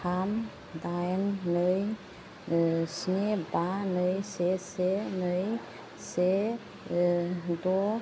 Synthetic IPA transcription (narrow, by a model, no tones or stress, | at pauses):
kʰam | d̪ajnːəj | snebanəjsesenəj | se | do